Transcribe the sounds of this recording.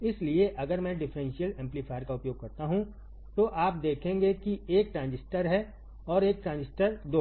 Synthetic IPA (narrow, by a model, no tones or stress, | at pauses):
ɪslieʔɐɡəɾmɛ̃ɖɪfɾɛ̃nʃijəlɛ̃ːmplipʰaːjɾkaʊpjoːɡ̚kɐɾt̪aɦũ | t̪oʔaːp̚d̪eːkʰẽːŋɡekieːk̚ʈɾãːnd͡ʒɪsʈəɾɦɛ | ɔːɾeːk̚ʈɾãːnd͡ʒɪsʈəɾd̪oː